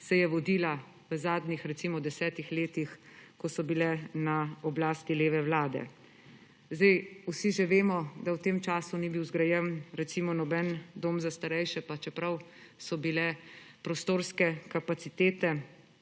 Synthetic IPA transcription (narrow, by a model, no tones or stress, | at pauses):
sɛjɛʋɔd̪iːla | ʋəzaːd̪nixɾɛt̪simɔd̪ɛsɛːt̪ixleːt̪ixkɔsɔbilɛnaɔblaːst̪ileːʋɛwlaːd̪ɛ̰ | zd̪ɛjusiʒeʋeːmɔd̪awt̪eːmt͡ʃaːsunibiwzɡɾajɛwnɾɛt̪siːmɔnɔbɛnd̪oːmzast̪aɾɛjʃɛpat͡ʃɛpɾawsɔbilɛpɾɔst̪oːɾskɛkapat̪sit̪eːt̪ɛ